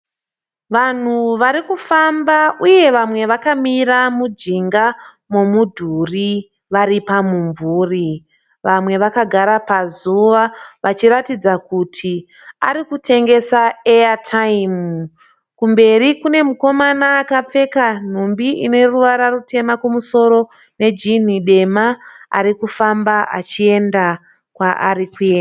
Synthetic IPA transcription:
ʋan̤uʋaɾikufambauje̞ʋamwe̞ʋakamiɾamud͡ʒiŋɡa | momudʱuri | ʋaɾipamuɱvuːri | ʋamwe̞ʋakaɡʱaɾapazuʋaʋat͡ʃiɾatid͡zakutʰi | a̰ɾikutʰe̞ŋɡe̞saejatʰaimu | kumbe̞rikune̞muko̞manaːkap͡fe̞kan̤umbiʔine̞ruʋaɾarute̞makwomuso̞ɾo̞ | ne̞d͡ʒin̤iɗe̞maa̰ɾikufambaʔa̰t͡ʃie̞nda | kwaʔarikuena

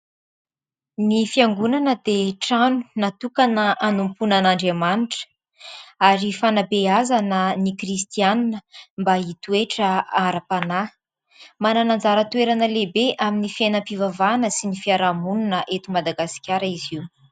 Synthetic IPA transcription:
nifiaŋɡunanəd̪eʈ͡ʂanu̥nat̪ukanəanumpunanaɳɖ͡ʐemaniʈ͡ʂə̥ | aɾifanabeazanənikrist̪ianinəmbait̪ueʈ͡ʂəaɾapana | mananand͡zaɾət̪ueɾanəlebeʔaminifienəpivavanəsinifiaɾamununəʔet̪umad̪aɡasi̥kʲaɾəiziwu

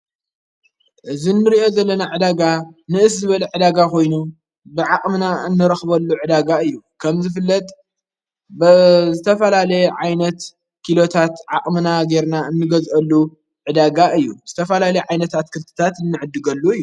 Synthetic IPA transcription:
ʔɨzinːɨɾiʔo̞zɐlːɐnaʕɨd̪aɡanɨʔɨszɨβɐlɐʕɨd̪aɡakʰo̞jnu | bɨʕakʼmɨnaɨnːɨɾɐxbɐlːuʕɨd̪aɡaɨjːukʰɐmzɨfɨlːɐt̪ʼ | bzɨt̪ʰɐfɐlalɐjʕajnɐt̪ | kʰilo̞t̪ʰat̪ʕakʼmɨnaɡeɾnaɨnːɨɡɐzʔɐlːu | ʕɨd̪aɡaɨjːuz̥ɨt̪ʰɐfɐlalɐjʕajnɐt̪at̪kʰɨlt̪ʰɨ̥t̪ʰat̪ɨnːɨʕɨd̪ːɨɡɐlːuɨjːu

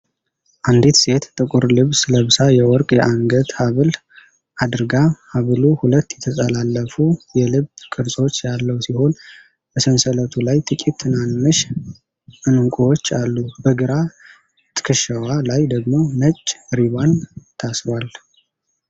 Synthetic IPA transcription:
ʔand̪it̪se̞t̪t̪ʼɨkʼuɾlɨβsɨləβɨsajɛwɔɾkʼjɛʔaŋɡət̪haβɨl | ʔad̪ɨɾɡahaβɨluhulət̪ːjɛt̪ʰəsʼəlalːəfujɛlɨβkʰʼɨɾsʼo̞t͡ʃːjalːəwsiho̞n | b̥əsənsələt̪ʰulajt̪ʰʼɨkʼit̪ʰːɨnanːɨʃ | ʔɨnɨŋkʷʼuwot͡ʃːalːubəɡɨɾa | t̪ʰɨ̥kʰɨʃəwalajd̪əɡmo̞mət͡ʃʼːɾiβant̪ʰasɾwal

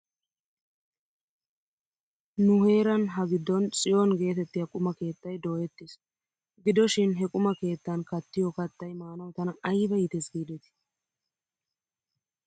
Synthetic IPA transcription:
nʊhe̞ːɾɐnɦɐɡɪd̪ːɔnt͡sʼɪjonɡe̞ːt̪ɛt̪ːɪjɐkʼʊmɐke̞ːt̪ːɐjd̪o̞ːjɛt̪ːɪs | ɡɪd̪ɔʃɪnɦɛkʼʊmɐke̞ːt̪ːɐnkɐt̪ːɪjɔkɐt̪ːɐjmaːnɐwt̪ɐnɐɐjbɐjɪt̪ɛsɡiːd̪ɛt̪ɪ̥

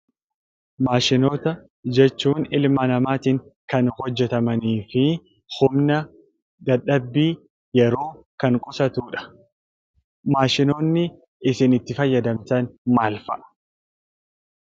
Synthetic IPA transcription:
maːʃɪnoːt̪ɐ | d͡ʒɛt͡ʃːuːnɪlmɐnɐmaːt̪ɪŋkɐnhɔd͡ʒːɛt̪ɐmɐniːfɪ | hʊmnɐ | d̪̥ɐᶑɐbːiː | jɛɾo̞ː | kɐŋkʼʊsɐt̪uːᶑɐ̥ | maːʃɪno̞ːnːɪ | ɪsɪnɪt̪ːɪfɐjːɐd̪ɐmt̪ɐnmaːlfɐʔɐ̥

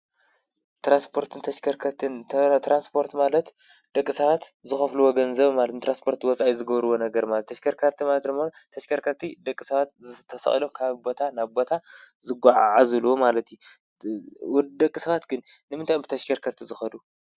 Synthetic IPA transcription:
t̪ɾanspʰo̞ɾt̪ʰɨnt̪ʰɐʃkʰɐɾkʰɐɾt̪ʰɨnt̪ɾanspʰo̞ɾt̪malɐt̪ | d̪̥ɐkʼːisɐβat̪zɨxɐfluwoɡɐnzɐβmalt̪nt̪ʰɾanspʰo̞ɾt̪ʰwɔt͡sʼaʔizɨɡɐβɾɨwonɐɡɐɾmalɐt̪ːʰɐʃkʰɐɾkʰɐɾt̪ʰimalɐt̪ɨmɐt̪ʰɐʃkʰɐɾkʰɐɾt̪ʰid̪ɐkʼːisɐβat̪̚t̪ʰɐsɐ̰χʼilomkʰaβbo̞t̪ʰanaβbo̞t̪ʰazɨɡʷaʕaʕazɨluwomalɐt̪ju | d̪ɐkʼːisɐβat̪ɡɨnːɨmɨnt̪ajmbɨt̪ʰɐʃkʰɐɾkʰɐɾt̪ʰizɨxɐd̪u

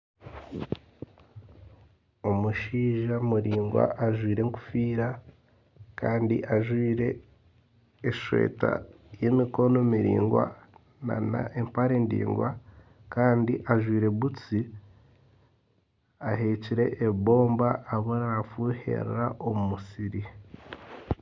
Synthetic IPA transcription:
o̞muʃiːʒamuɾiːŋɡwa̰ʔaʒwiːɾe̞ŋku̥fiːɾa | kaːndiʔaʒwiːɾe̞ | ʃwe̞̰ːta̰ | jemiko̞nomiɾḭːŋɡwa̰ | na̰na̰ʔempaɾe̞ːndḭːŋɡwa | kaːndiʔaʒwiːɾe̞βut͡si | aɦe̞ciɾe̞ʔːβo̞ːmbaːβoɾaɾafuːhe̞̰ɾɾaʔo̞mumusiɾi

